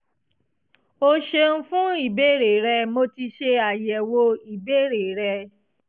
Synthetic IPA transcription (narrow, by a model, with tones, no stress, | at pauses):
o˧ʃe˧n̩˦fũ˦i˦˨be˦˨ɾe˨ɾɛ˧mo˧˦ti˧ʃe˧a˨jɛ˨wo˧i˨be˦˨ɾe˨ɾɛ˧